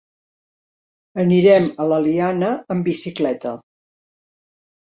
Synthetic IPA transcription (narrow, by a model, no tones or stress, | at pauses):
əniɾɛmələlianəəmbisiklɛt̪ə